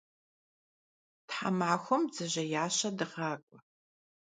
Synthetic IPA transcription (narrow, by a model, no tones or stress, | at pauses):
tħa̰maʕxʷɔmd͡zɨʑɐjaːɕɐdɨʁaːkʷʼɔ